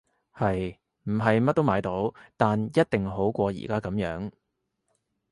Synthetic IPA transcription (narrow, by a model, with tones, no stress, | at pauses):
hɐ˨j | m̩˨˩ɦɐ˨jmɐ˥t̚t̪o˥wmaː˨˧˥jt̪o˨˥wt̪aː˨njɐ˥t̚t̪ɪ˨ŋɦo˨˥wkʷɔː˧jḭ˨˩kaː˥kɐ˨˧˥mjœː˨˥ŋ